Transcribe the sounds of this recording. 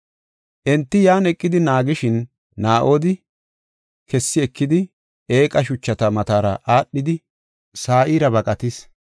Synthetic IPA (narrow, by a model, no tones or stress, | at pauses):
ʔɛnt̪ːɪjaːnɛkʼːɪd̪ɪnaːɡɪʃɪnː | aːʔoːd̪ɪ | kɛsːɪɛkːɪd̪ɪ | e̞ːkʼɐʃ̬ʊt͡ʃːɐt̪ɐmɐt̪aːɾɐʔaːɗːɪd̪ɪ | saːʔiːɾɐbɐkʼɐt̪ɪs